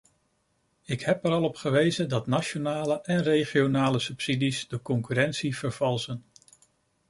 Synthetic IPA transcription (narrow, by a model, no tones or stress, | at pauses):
ɪkɦɛpɛɾɑlˠɔpχəʋejzədɑtnaʃonaːləʔɛnrejχionaːləsɵpsidizdəkɔŋkyɾɛntsivəɹv̥ɑlˠzən